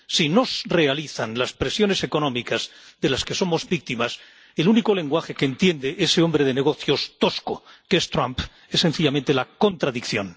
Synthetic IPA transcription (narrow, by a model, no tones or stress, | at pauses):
sino̞zre̞aliθanlaspɾe̞sjo̞ne̞se̞ko̞nõ̞mikazðe̞laske̞so̞mo̞zβik̚t̪imas | e̞luniko̞le̞ŋɡwaxe̞keːnt̪je̞nd̪eʔeseo̞mbɾe̞ðe̞ne̞ɣ̞o̞θjo̞st̪o̞skokest̪ɾamp | e̞sːe̞nθiʎamẽnt̪e̞lako̞nt̪ɾaðikθjo̞̰n